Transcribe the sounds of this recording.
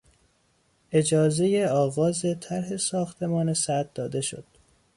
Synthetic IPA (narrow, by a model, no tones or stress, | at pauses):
ʔe̞d͡ʒɒːze̞jeɒːɣɒːzet̪ʰæɾɦe̞sɒːxt̪ʰe̞mɒːnesæd̪̚d̪ɒːd̪e̞ʃo̞̰d̪̥̚